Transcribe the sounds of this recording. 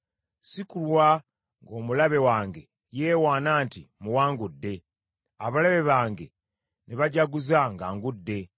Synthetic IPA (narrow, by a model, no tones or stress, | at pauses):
sikulwa | ŋɡo̞ːmulaβe̞waːŋɡe̞ | jeːwaːnaːntimuwaːŋɡudːe̞ | aβalaβe̞βaːŋɡe̞ | neβaɟaɡuzaŋɡaːŋɡudːe̞